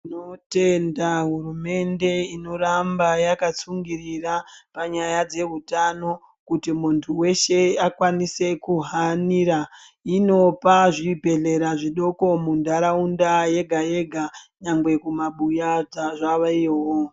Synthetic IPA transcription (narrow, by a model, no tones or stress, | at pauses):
note̞ndaɦurume̞nde̞ino̞rambajakat͡suŋɡirirapaɲajad͡ze̞ɦutano̞ | kutimuntʰuwe̞ʃe̞akwanise̞kuɦaniɾa | ino̞paʐibʱe̞ɮe̞ɾaʐiɗo̞ko̞mundaɾaundaje̞ɡʱaje̞ɡʱaɲaŋɡwe̞kumaɓujad͡zaʐaʋaiowo